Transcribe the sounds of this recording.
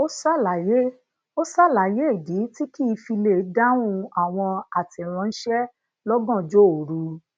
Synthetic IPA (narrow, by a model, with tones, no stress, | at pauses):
o˦sa˦la˨je˦ | o˦sa˦˨la˨je˦e˦˨di˨˦ti˦ki˦˨˧fi˧le˨˦da˦wũ˧a˨w̃ɔ̃˧a˨ti˨ɛ˨ɾ̃ɔ̃˧ñ̩˦ʃɛ˦ | lɔ˦ɡɔ̃˦˨d͡ʒo˦o˨ɾu˧˦